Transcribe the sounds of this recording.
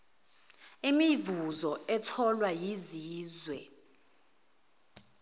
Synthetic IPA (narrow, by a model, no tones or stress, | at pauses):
imivuzɔɛtʰɔlwajiziːzwɛ